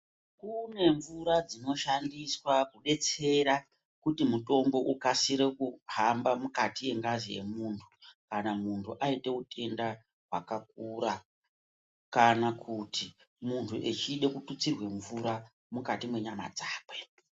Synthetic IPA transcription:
kune̞ɱvuɾad͡zino̞ʃandiswakuɗe̞t͡se̞ɾa | kutimuto̞mbo̞ʔukasiɾekuɦambamukatije̞ŋɡazije̞̰muːntʰu̥kanamuntʰuʔaite̞utʰe̞nda | ɦwa̰kak̚uːɾa | kanakʰuti | muntʰuʔet͡ʃiɗe̞kutut͡sirwe̞ɱvuɾa | mukatimwe̞ɲama̰d͡zaːkwe

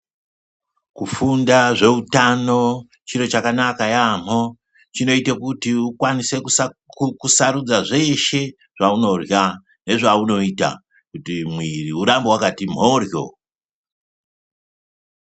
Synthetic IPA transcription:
kufundaʐe̞utano̞ | t͡ʃiɾo̞t͡ʃakanakajam̥o̞ | t͡ʃino̞itekutiukwanise̞ | kusaɾud͡zaʐe̞ʃe̞ | ʐ̥auno̞rja | ne̞ʐauno̞ita̰ | kutimwiriuɾambowakatim̤o̞ːrjo̞̰

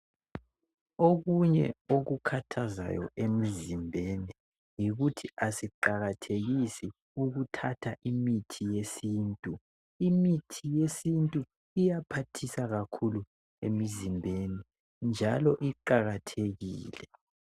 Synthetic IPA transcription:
oɣuɲɛ̰oɣukʰatʰaza̰jɔ̰ʔemizimbʱeni | jiɣutʰiʔasiǃaɣatʰeɣisi | uɣutʰatʰaʔimitʰijesiːntʼu | imitʰijesintʼu | ijapʰatʰisaɣakʰulu | ḛmizimbʱeni | nd͡ʒʱalɔʔiǃaɣatʰeɣiːlɛ

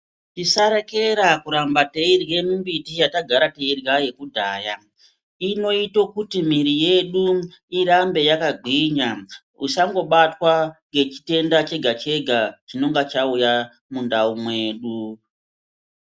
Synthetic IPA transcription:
tisaɾeke̞ɾakuɾambateirje̞mumbitijataɡʱaɾate̞irjaje̞kudʱaːja | ino̞ito̞kutim̤iɾije̞ɗu | iɾambe̞jakaɡʱiɲa | usaŋɡo̞ɓatwaŋɡe̞t͡ʃi̥te̞ndat͡ʃe̞ɡʱat͡ʃe̞ɡʱat͡ʃino̞ŋɡat͡ʃauja | mundaumwe̞ːɗu

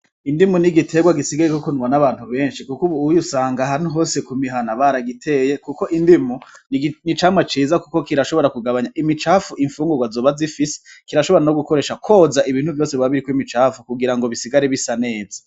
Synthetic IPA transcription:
indimuniɡitʰe̞ɡwaɡisiɡaɾekokunŋwanaβaːn̥huβe̞ːnʃikukuβuːjusaːŋɡaɦan̥uɦo̞se̞kumiɦanaβaɾaɡitʰe̞ːje̞kuko̞ʔindimunit͡ʃaːmwat͡ʃiːzakuko̞kiɾaʃo̞βo̞ɾakuɡaβaɲaʔimit͡ʃaːfuʔiɱfuːŋɡuɡwazo̞ːβazifise̥ | kiɾaʃo̞βo̞ɾanoɡuko̞ɾe̞ːʃakʰo̞zaʔiβiːn̥huvjo̞ːse̞βwaβiɾikwimit͡ʃaːfukuɡiɾaŋɡo̞βisiɡaɾeβisane̞ːzḁ

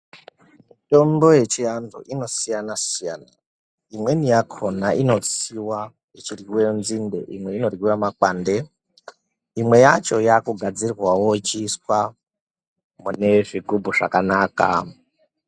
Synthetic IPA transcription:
mito̞mbo̞je̞t͡ʃijand͡zo̰ʔino̞sijanasijaːna̰ | imwe̞nijakʰonaʔino̞t͡siwa | it͡ʃirwiwejonzinde̞̰ʔimwe̞ino̞rwiwamakwaːnde̞ | imwe̞jat͡ʃo̞jakuɡʱad͡zirwawo̞it͡ʃiswa | mune̞ʐiɡʱubʱuʐa̰kanaːka̰

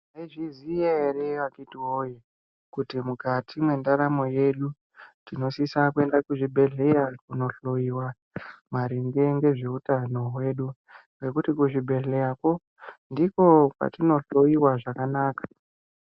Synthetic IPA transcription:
neʐizijereʋakitiwoje | kutimukatʰimwe̞ndaɾamo̞je̞ɗu | tino̞sisakue̞ndakuʐibʱe̞ɮe̞ɾakuno̞ɬo̞jiwa | maɾiŋɡe̞ŋɡe̞ʐe̞utano̞ɦwe̞ɗu | ŋɡe̞kutikuʐibʱe̞ɮe̞jako̞ | ndiko̞ka̰tino̞ɬo̞iwaʐakanaːkḁ

